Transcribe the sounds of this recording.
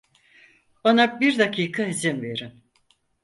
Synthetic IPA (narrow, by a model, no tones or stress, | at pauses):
anabiɾd̪akʰiːkʰaɦizimve̞ɾin